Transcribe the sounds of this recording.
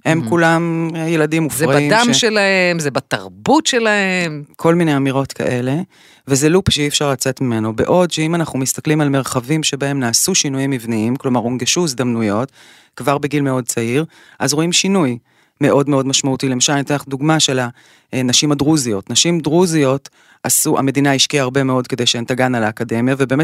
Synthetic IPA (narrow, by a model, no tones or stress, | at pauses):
hemkulamjeladimufzʁaaimdaʃmʃelahemzebat̪ɐʁbutʃelahemkʰo̞lminejamiʁo̞tkʰa̰ʔe̞le̞ | vezelupʃeiefʃaʁlat͡se̞tmime̞no̞be̞̰ʔo̞dʃeimanaχnumist̪aklimalme̞ʁχavimʃe̞bae̞mnaːsuʃinujimːivniimklo̞maʁonɡeʃuizd̪amnujo̞t | kvaʁbe̞ɡilme̞o̞d̚t͡saiʁ | ʔazʁo̞imʃinuj | me̞ʔo̞dmeo̞dmaʃmautile̞maʃalnit̪eaχduɡmaʃela | naʃimadʁuzijo̞tnaʃimdʁuzio̞t | asuʔa̰me̞dinaiʃkiaaʁbe̞me̞o̞dke̞dejʃeentaɡanalaːkade̞mjavebe̞ːme